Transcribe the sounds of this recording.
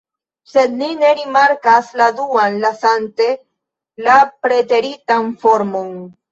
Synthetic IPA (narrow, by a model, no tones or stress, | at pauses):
se̞d̪nine̞ɾimaɾkasladuanlasante̞ | lapɾe̞te̞ɾitanfo̞ɾmo̞n